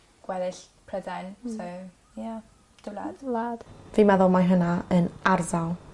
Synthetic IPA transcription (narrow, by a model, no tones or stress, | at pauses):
ɡ̥wɛðɪɬ | pʰrədajnsow | ja | d̥ɪlˠad̥lad̥viːmɛðɔlˠmajɦənaənarzalˠ